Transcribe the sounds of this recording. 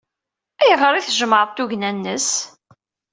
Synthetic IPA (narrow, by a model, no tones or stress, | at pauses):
æjʁəɾˤiθʒəməɾˤt̪ːuʝnænːəs